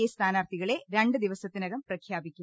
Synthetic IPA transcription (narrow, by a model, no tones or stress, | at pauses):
est̪ʰaːnaːrt̪ʰiɣɐɭe̞ɾe̞ɳɖɨd̪iʋɐsɐt̪ːinɐɣɐmprɐkʰjaːbikʲːum